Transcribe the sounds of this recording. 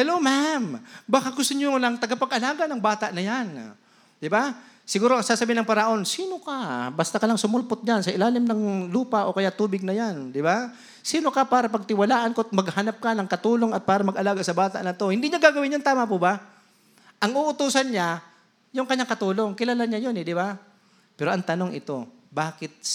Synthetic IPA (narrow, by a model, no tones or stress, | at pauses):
hɛlomambaːkaɡʊst̪oɲonɐŋt̪ɐɡapɐɡʔɐlaːɡɐnɐŋbaːt̪aʔnɐjan | d̪ɪbasɪɡuːɾoʔɐŋsaːsɐbiːɪnɐŋpɐɾɐʔo̞nsiːno̞kabɐst̪akɐlaŋsʊmʊlpʊt̪̚ɲansɐʔɪlaːlɪmnɐŋluːpaʔo̞kɐjaʔt̪uːbɪɡ̚nɐjand̪ɪba | siːno̞kɐpaːɾɐpɐɡ̚t̪ɪwɐlaːʔɐnkot̪mɐɡhanap̚kɐnɐŋkɐt̪uːlo̞ŋɐt̪̚paːɾɐmɐɡɐlaːɡasɐbaːt̪a̰ʔnɐt̪o̞hɪnd̪iɲaɡaːɡɐwɪnːjont̪aːmɐpʊba | ʔɐŋuʔʊt̪uːsɐnɲa | jʊŋkɐɲːaŋkɐt̪uːlo̞ŋkɪlaːlaɲajonɛd̪ɪba | pɛːɾo̞ʔɐŋt̪ɐnoŋʔɪt̪o̞baːkɪt̪̚